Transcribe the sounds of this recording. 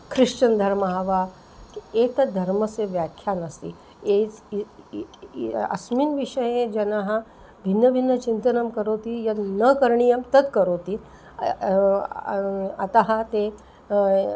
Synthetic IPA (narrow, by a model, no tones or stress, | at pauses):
kʰɾiʂt͡ɕənd̪ʱəɾməɦaʋa | kiekt̪əd̪ʱɐɾməseʋjakʰjanəst̪ḭ | et͡s | ə̰smiːnʋiʂəjed͡ʑenaɦã | bʱinːəbʱinːət͡ɕint̪ənəmkəɾot̪ijanəkəɾɳijəmt̪ət̪kəɾot̪i | a̰t̪aɦat̪e